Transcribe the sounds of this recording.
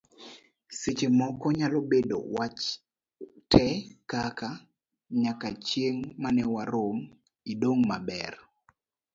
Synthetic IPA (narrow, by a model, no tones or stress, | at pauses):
set͡ʃemɔkɔɲalobedo̰wat͡ʃ | tɛkaka | ɲakat͡ʃjeŋmanɛwaɾom | idoŋmabɛ̰r